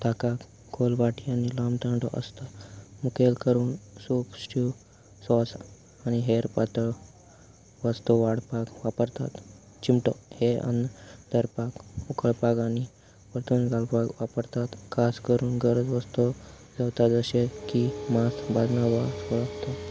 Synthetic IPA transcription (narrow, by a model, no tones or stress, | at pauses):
t̪akak | ɡolʋaʈʰianilamt̪ãɳɖo̰ʔə̰st̪amukelkəɾuːnsupsʈu | sɔs | aniɦeɾpat̪ə | ʋəst̪uʋaɽ̤pakʋapəɾt̪a̰t̪ | t͡ɕimʈoheə̰nt̪əɾpakukʰəɭpakani | ʋəɾt̪unɡalpakʋapəɾt̪at̪kʰaskəɾuːnɡəɾəd͡zʋəst̪o | d͡zawt̪at̪əɕekimast̪bad̪naʋasɔɭəkt̪a